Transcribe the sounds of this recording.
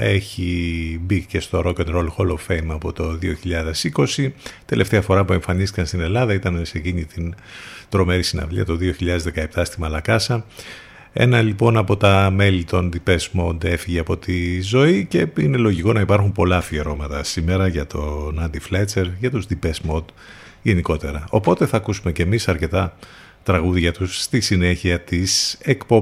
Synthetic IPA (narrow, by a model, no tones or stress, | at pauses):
e̞çibice̞st̪oɾokonɾolxolovfejmɐpo̞t̪o̞ðioçiʎɐðe̞siko̞sit̪e̞le̞ft̪e̞ɐfo̞ɾɐpue̞ɱfɐnist̪ikɐnst̪ine̞lɐðɐit̪ɐnse̞ciɲit̪in | t̪ɾo̞me̞ɾisinɐ̰vliɐt̪o̞ðio̞çiʎɐðe̞zðe̞kɐep̚t̪ɐst̪imɐlɐkɐsɐ | e̞̰nɐlipo̞nɐpo̞t̪ɐme̞lit̪o̞nd̪ipe̞smo̞d̪e̞fiʝeɐpo̞t̪izo̞ice̞ine̞lo̞ʝiko̞nɐipɐɾxumpo̞lɐfieɾo̞mɐt̪ɐsime̞ɾɐʝɐt̪ʰo̞nɐnd̪iflet͡se̞ɾʝɐt̪uzd̪ipesmo̞d̪ | ʝe̞niko̞t̪e̞ɾɐo̞po̞t̪e̞θɐːkusume̞ce̞misɐɾce̞t̪ɐ | t̪ɾɐɣuðʝɐt̪usːt̪isine̞çiɐt̪ise̞kpo